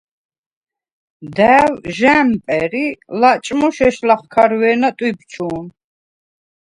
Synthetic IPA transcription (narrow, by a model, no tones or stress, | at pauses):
d̪ɛːwʒɛmpʼɛɾilat͡ʃʼmuʃɛʃlaχkʰaɾwɛːnat̪ʼwib̚t͡ʃʰuːn